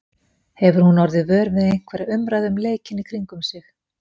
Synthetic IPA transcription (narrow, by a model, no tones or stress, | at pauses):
hɛvʏɾ̥hunɔɾðɪvœːɾvɪðejn̥kʰvɛːɾɪʏmɾaðʏmleːjcɪnikʰɾiŋkʏmsɪx